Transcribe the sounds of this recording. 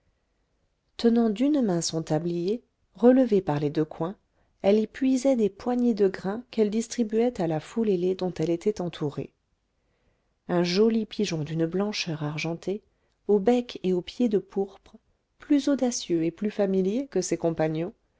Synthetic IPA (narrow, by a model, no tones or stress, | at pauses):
t̪ənɑ̃d̪ynmɛ̃sɔ̃t̪ablije | ʁələvepaʁled̪økwɛ̃ | ɛlepɥizɛd̪epwaɲed̪əɡʁɛ̃kɛld̪ist̪χibyɛt̪alafuleled̪ɔ̃t̪ɛlet̪ʰɛt̪ɑ̃t̪ʰuʁḛ | ɛ̃ʒolipiʒɔ̃d̪ynblɑ̃ʃœʁaʁʒɑ̃t̪ʰe | obɛkeopjed̪əpuʁpχə | plyzod̪asjøeplyfamiljekəsekɔ̃paɲɔ̃